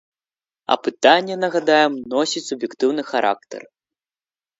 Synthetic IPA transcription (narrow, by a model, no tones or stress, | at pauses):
ɐ̰pɨt̪anʲːɛnɐɣad̪ajɛmnɔsʲit͡sʲsubjɛkt̪ɨwnɨxaɾa̰k̚t̪ɛ̰r